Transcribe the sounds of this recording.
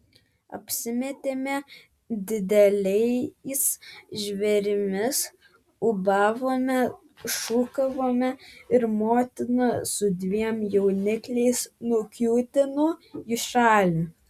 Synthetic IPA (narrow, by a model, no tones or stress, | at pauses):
ɐ̰pʲsʲɪmʲɛt̪ʲeːmʲɛ | d̪ʲɪd̪ʲɛlʲɛɪsʒʲʋʲɛɾʲɪmʲɪs | ʊbɑːʋoːmʲɛ | ʃuːkɐʋoːmʲɛɪɾmoːt̪ʲɪnɐsʊd̪ʲʋʲiɛmjɛʊnʲɪklʲɛɪsnʊkʲuːt̪ʲɪnoɪʃɑːlʲʊ